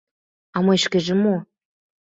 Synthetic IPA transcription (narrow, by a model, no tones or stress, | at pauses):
ɑmɤjʃkĕʒĕmo